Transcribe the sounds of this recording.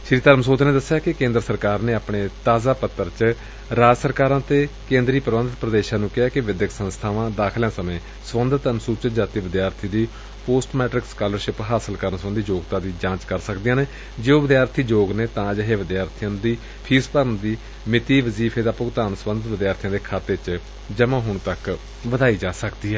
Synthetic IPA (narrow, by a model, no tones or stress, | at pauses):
ʃɾiːt̪əɾmsoːt̪neːd̪əsːjaːkɪkẽːnd̪ɾəsəɾkaːɾneːaːpɳeːt̪aːzaːpət̪ːəɾt͡ʃ | ɾaːd͡ʒsəɾkaːɾãːt̪eːkẽːnd̪ɾiːpəɾʋənd̪t̪pɾəd̪eːʃãːnũːkɪɦaːkɪʋɪd̪jəksənst̪ʰaːʋãːd̪aːkʰljãːsəmẽː | sʋənd̪ət̪ənsuːt͡ʃət̪̚d͡ʒaːt̪iːʋɪd̪jaːɾt̪ʰiːd̪iː | poːsʈmɛːʈɾɪkskaːləɾʃɪpɦaːsəlkəɾənsʋə̃nd̪iːd͡ʒoːɡt̪ãːd̪iːd͡ʒãːt͡ʃkəɾsəkd̪ɪjãːneː | d͡ʒeoːʋɪd̪jaːɾt̪ʰiːd͡ʒoːɡneːt̪ãːd͡ʒəɦeːʋɪd̪jaːɾt̪ʰijãːd̪iː | pʰiːspəɾənd̪iː | mɪt̪iːʋəziːpʰeːd̪aːpʊɡt̪aːnsʋə̃nd̪ət̪ʋɪd̪jaːɾt̪ʰijãːd̪eːkʰaːt̪eːt͡ʃ | d͡ʒəmãːɦʊɳt̪ək | ʋəd̪aːiːd͡ʒaːsəkd̪iːɦɛː